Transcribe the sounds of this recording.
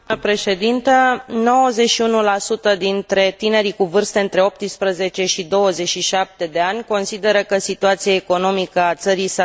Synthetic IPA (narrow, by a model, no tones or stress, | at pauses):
pɾe̞ʃe̞d̪int̪əno̞wəze̞ʃiunulasut̪əd̪int̪ɾe̞t̪ine̞ɾikuvɨrst̪əɨnt̪ɾe̞o̞p̚t̪ispɾəze̞t͡ʃe̞ʃid̪o̞wəzet͡ʃʃiʃap̚t̪e̞d̪e̞anʲko̞nsid̪e̞ɾəkəsit̪uat̪siaeko̞no̞mikəat̪səɾisa